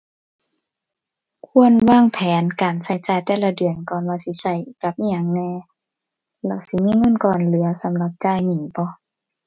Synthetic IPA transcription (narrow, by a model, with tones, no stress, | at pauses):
kʰu˧˥˨ənwaː˧˥˨ŋpʰɛː˨˦nkaː˨˩nsa˧˩jt͡ɕaː˧˩jt̪ɛː˧˩˨la˧dɯ˨˩ənkɔː˧˨nwaː˧si˧˦sa˧˩jka˧˦p̚ʔi˧ɲa˧˩ŋnɛː˧˨ | lɛ˧˩˨wsi˧˦miː˧˥˨ŋɤ˧˥˨nkɔː˧˩nlɯ˨˩˦ɐsa˨˦mla˧˦p̚t͡ɕaː˧˨jŋi˧˩ŋbɔ˧˦